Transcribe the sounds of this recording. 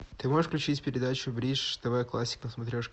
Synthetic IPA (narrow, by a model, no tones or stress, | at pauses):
t̪ɨmoʐɨʂfklʲʉt͡ɕitʲpʲɪɾʲɪd̪at͡ɕʊbɾʲiʂd̪̥ɐvajklˠasʲːɪ̥knəsmɐt̪ɾʲoʂ